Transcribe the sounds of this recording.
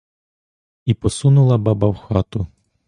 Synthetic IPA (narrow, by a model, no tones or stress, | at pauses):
ipɔsunʊlˠɐbɑbɐwxɑt̪ʊ